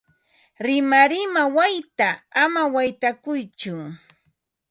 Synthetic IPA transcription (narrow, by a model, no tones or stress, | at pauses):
ɾɪmaɾɪmawajt̪aːmawajt̪akʊjt͡ʃʊ